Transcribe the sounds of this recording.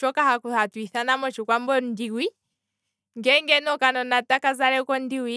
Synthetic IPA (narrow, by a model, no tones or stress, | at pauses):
t͡ʃɔkahakuhatwiθanamɔt͡ʃukwambɔndiwi | ŋɡɛŋɡɛnɔkanɔnatakazaɾɛkɔndiwi